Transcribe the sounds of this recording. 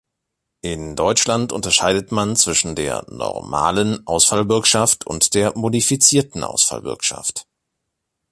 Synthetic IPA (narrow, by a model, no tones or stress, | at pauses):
ʔɪndɔʏt͡ʃlantʔʊ̰ntɐʃaɪdətmant͡sv̥ɪʃn̩dḛːɐnɔ̰ʁma̰ːlənʔaʊsfalbɪɐkʃaftʰʊ̰ntd̥eːɐmodifit͡siːɐtn̩ʔa̰ʊsfa̰lvɪ̰ɐkʃa̰ft